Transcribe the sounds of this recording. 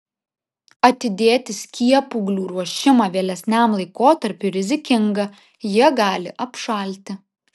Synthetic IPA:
ɐt̪ʲɪd̪ʲeːt̪ʲɪsʲkʲiɛpʊɡlʲuːɾuɔʃʲɪmɐʋʲeːlʲɛsʲnʲæˑmlˠɐɪkoːt̪ɐɾʲpʲʊɾʲɪzʲɪkʲɪŋɡɐ | jiɛɡɑːlʲɪ̰ʔɐpʃɐˑlʲt̪ʲɪ

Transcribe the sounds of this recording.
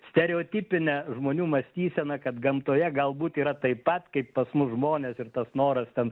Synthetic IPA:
sʲt̪ʲɛɾʲɛoːt̪ʲiːpʲɪnʲɛʒmoːnʲuːmɐsʲt̪ʲiːsʲɛnɐkɐt̪ɡɐmt̪oːjɛɡɐlˠbuːt̪iːɾɐt̪ɐɪpɐt̪kɐɪppːɐsmʊsʒmoːnʲeːsɪrt̪ɐsnoːɾɐst̪ʲɛn

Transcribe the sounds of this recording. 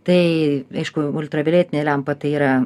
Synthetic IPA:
t̪ɐɪɐɪʃkʊʊlʲt̪ɾɐbʲɪlʲeːt̪ʲɪnʲelʲæmpɐt̪ɐɪiːɾɐ

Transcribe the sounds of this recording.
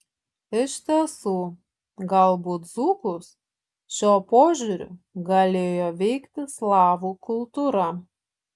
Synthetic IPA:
ɪʃt̪ʲɛsuː | ɡɐlˠbuːt̪zuːkʊs | ʃʲoːpoːʒʲuɾʲʊ̰ɡɐlʲeːjoːʋʲɛɪkt̪ʲɪslˠɑːʋuːkʊlˠt̪uːɾɐ

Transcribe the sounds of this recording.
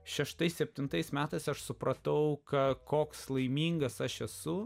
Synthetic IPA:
ʃʲɛʃt̪ɐɪsʲsʲɛpʲt̪ʲɪnt̪ɐɪsmʲæːt̪ɐɪsɐʃsʊpɾɐt̪ɐʊkɐkoːkslˠɐɪmʲiːŋɡɐsɐʃɛsʊ

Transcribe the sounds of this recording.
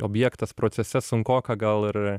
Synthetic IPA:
obʲjɛkt̪ɐspɾot̪sʲɛsʲɛsʊŋkoːkɐɡɐlˠɪɾ

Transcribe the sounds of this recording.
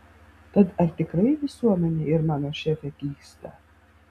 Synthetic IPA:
t̪ad̪aɾt̪ʲɪkɾɨjvʲisuɔmʲɛnʲiiɾmanɔʃʲɛfʲɛkʲiːkst̪a̰

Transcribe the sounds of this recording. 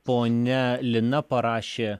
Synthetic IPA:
poːnʲɛlʲɪnɐpɐɾɑːʃʲeː

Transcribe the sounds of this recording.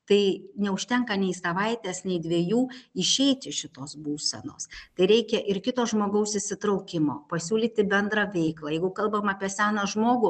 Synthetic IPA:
t̪ɐɪnʲɛʊʃʲt̪ʲɛŋkɐnʲɛɪsɐʋɐɪt̪ʲeːsnʲɛɪd̪ʲʋʲiːjuːɪʃʲɛɪt̪ʲɪʃʲɪt̪oːsbuːsʲɛ̰no̰ːst̪ɐɪɾʲɛɪkʲɛʔɪɾkʲɪt̪oːʒmoːɡɐʊsɪsʲɪt̪ɾɐʊkʲɪmo̰ːpɐsʲuːlʲiːt̪ʲɪbʲɛnd̪ɾɐʋʲɛɪklˠɐːjɛɪɡʊkɐlˠbɐmɑːpʲiɛsʲæːnɐʒmoːɡʊ

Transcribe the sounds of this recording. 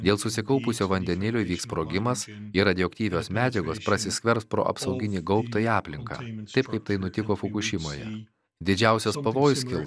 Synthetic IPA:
d̪ʲeːlˠsʊsʲɪkɐʊpʊsʲoːʋɐnʲd̪ʲɛnʲɪlʲʊʋʲiːkspɾoːɡʲɪmɐsɪɾɐd̪ʲɪoːkt̪ʲiːʋʲoːsmʲæːd͡ʒʲɛɡoːspɾɐsʲɪsʲkʲʋʲɛɾspɾo̰ːʔɐ̰psɐʊɡʲɪnʲiːɡɒʊpt̪oːiɑːpʲlʲɪŋkɑ̰ːt̪ɐɪpkɐɪpt̪ɐɪnʊt̪ʲɪkoːfʊkʊʃʲɪmoːjɛ̰ | d̪ʲɪd͡ʒʲæˑʊsʲɛspɐʋoːjʊsʲkʲɪlˠ

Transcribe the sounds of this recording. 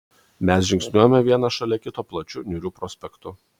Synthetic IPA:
mʲɛs̬ʒʲɪŋksʲnʲuɔjomʲɛʋʲiɛnɐʃɐlʲɛkʲɪt̪oːplˠɐt͡ʃʲʊnʲuːɾʲuːpɾɔːsʲpʲɛkt̪ʊ

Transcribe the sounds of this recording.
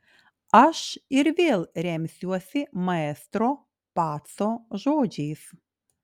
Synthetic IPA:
aʃɪɾʋʲeːlʲˠɾʲɛmʲsʲuɔsʲɪmɐɛːst̪ɾo | paːt̪soʒoːd͡ʒʲiːs

